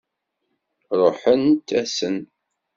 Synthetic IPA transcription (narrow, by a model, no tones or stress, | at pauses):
ɾˤoħənt̪ːæsən